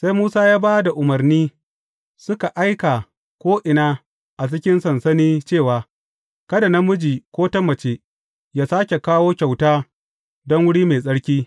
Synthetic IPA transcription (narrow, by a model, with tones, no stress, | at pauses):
sa˦jmuː˦saː˦jaː˦baː˦da˨ʔʊ˨mɐ˨rniː˦ | sʊ˦ka˨ʔa˦jka˨ | kʷoː˦ʔɪ˨naː˦ | ʔa˨t͡ʃɪ˦kʲɪ˦nsɐ˨nsɐ˦niː˦t͡ʃeː˦˨waː˨ | kɐ˦da˨na˦mʊ˦d͡ʒiː˨kʷoː˦tɐ˦mːɐ˨t͡ʃeː˦ | jaː˦saː˦kʲe˨kaː˦woː˦kʲa˨wtaː˦ | dɔ˦ŋwʊ˦ɽiː˦meː˨sʼɐ˦ɽkʲiː˦